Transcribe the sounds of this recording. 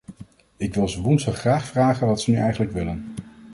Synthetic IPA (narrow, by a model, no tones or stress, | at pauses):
ɪkʋɪlˠzəʋunsəχraːχfraːχənʋɑtsənyʔɛjχənləkʋɪlən